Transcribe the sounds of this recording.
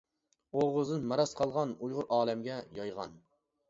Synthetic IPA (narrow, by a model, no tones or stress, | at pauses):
oʁʊzɨnmɑɾɑsqʰɑlˠʁɑnujʁʊɾʔɑːlɛmɡʲɛjɑjʁɑ̰n